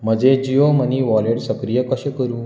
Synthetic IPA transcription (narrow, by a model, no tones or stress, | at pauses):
m̤əd͡zed͡ʑijoməniʋɔleɽsəkɾijəkəɕəkəɾũː